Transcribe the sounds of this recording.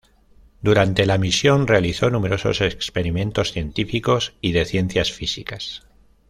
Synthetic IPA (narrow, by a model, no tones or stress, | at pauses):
d̪uɾant̪e̞lamisjo̞nre̞aliθo̞nume̞ɾo̞so̞sekspe̞ɾimẽ̞nt̪o̞sθje̞nt̪ifiko̞siðe̞θje̞n̟θjasfisikas